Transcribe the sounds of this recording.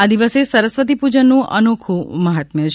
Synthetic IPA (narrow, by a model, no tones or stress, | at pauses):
ad̪iʋəsesəɾəsʋət̪̬ipud͡ʒənːũʔənokʰuməɦət̪mət͡ʃʰ